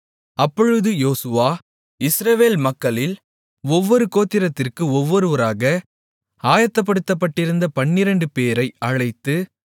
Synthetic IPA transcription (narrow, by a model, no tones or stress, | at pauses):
ɐpːɔɻɯðɯjoːsɯʋaː | ɪsɾɐʋeːlmɐkːɐɭɪl | ɔʋːɔɾɯkoːt̪ːɪɾɐt̪ːɪrkɯɔʋːɔɾɯʋɐɾaːɣɐ | aːjɐt̪ːɐp̬ːɐɽɯt̪ːɐpːɐʈːɪɾɯnd̪ɐpɐɳːɪɾɐɳɖɯpeːɾɐɪɐɻɐɪt̪ːɯ